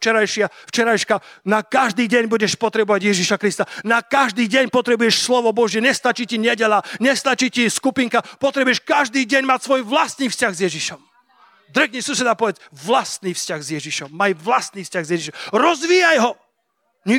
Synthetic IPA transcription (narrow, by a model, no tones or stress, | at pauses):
t͡ʃɛɾajʃɪaft͡ʃɛɾajʃkanakaʒd̪iːɟɛɲbuɟɛʃpɔt̪ɾɛbɔʋaɟjɛʒiʃakɾist̪anakaʒd̪iːɟɛɲpɔt̪ɾɛbujɛʃslɔʋɔbɔʒjɛɲɛst̪at͡ʃiːciɲɛɟɛʎaɲɛst̪at͡ʃiːciskupiŋkapɔt̪ɾɛbujɛʃkaʒd̪iːɟɛɲmacsʋɔjʋlast̪niːfscaɣzjɛʒiʃɔm | d̪ɾɛkɲisusɛd̪apɔʋɛt͡sʋlast̪niːfscaɣzjɛʒiʃɔmːajʋlast̪niːfscaɣzjɛʒiʃɔmɾɔzʋiːjajɦɔ | ɲi